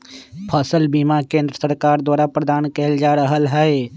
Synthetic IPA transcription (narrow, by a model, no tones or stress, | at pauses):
pʰəsəlbiːmakẽːnd̪ɾəsəɾkaːɾd̪waːɾapɾəd̪aːnkeːld͡ʒaːɾəɦəlɦɛe